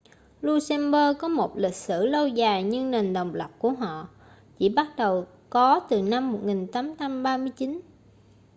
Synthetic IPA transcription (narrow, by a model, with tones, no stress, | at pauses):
lu˧sɛ˧mɓəː˧kɔ˨˦mo˨˩t̚lï˨˩k̟̚sɨ̰˧˩lə˧wzaː˨˩jɲɨ˧ŋne˨˩nɗə˨˩wŋ͡mlə˨˩wp̚ku˧˩əɦɔ̰˧˨ | t͡ɕi˧˩ɓa˦˥t̚ɗə˨˩w | kɔ˨˦t̪ɨ˨˩na˧mːo˨˩t̚ŋi˨˩ŋt̪aː˨˦mt͡ɕa˧mɓaː˧mɨ˧əjt͡ɕi˨˦n